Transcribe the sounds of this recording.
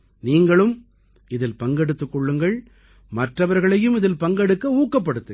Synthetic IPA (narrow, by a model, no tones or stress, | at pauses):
niːŋɡɐɭɯm | ɪðɪlpɐŋɡɛɽɯt̪ːɯkːɔɭːɯŋɡɐɭ | mɐʈrɐʋɐɾɣɐɭɐjɯmɪðɪlpɐŋɡɛɽɯkːɐuːkːɐp̬ːɐɽɯt̪ːɯ